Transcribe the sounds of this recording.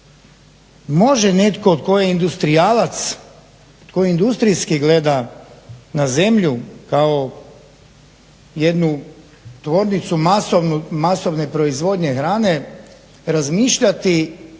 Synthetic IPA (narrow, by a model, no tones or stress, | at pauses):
mo̞ʒene̞t̪ko̞ːd̪ko̞jeind̪ust̪ɾijalat̪s | ot̪kojiind̪ust̪ɾijskiɡle̞d̪a | naze̞mʎukao | je̞d̪nu | t̪ʋo̞ːɾnit̪sumasonumaso̞ʋne̞pɾo̞izʋo̞d̪ɲe̞xɾaːne̞ | ɾazmiːʃʎat̪i